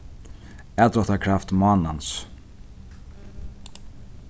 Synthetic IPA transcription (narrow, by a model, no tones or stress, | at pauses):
ɛːt̪ɾɔht̪akʰɾaft̪maːnans